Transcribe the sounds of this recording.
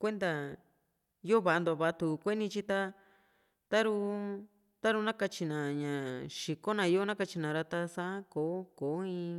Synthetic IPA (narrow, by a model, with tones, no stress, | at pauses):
kʷe˦nd̪a˧ | jo˦βa˨a˧nd̪o˧˨a˧βa˧t̪u˧kʷe˦nĩ˧t͡ʃi˦t̪a˦ | t̪a˦ɾu˧ | t̪a˦ɾu˧nã˦ka˧t͡ʃi˧nã˨ɲã˨ʃi˨ko˦nã˨˧i˦o˦nã˦ka˧t͡ʃi˧nã˨ɾa˧t̪a˧sã˦ko˨˦ko˨˦ĩ˧